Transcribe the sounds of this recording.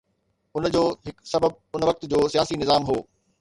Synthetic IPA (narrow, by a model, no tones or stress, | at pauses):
ʊnd͡ʑoːɦɪksɐbəb̚ | ʊnʋɐk̚t̪d͡ʑoːsijaːsinɪzaːmɦoː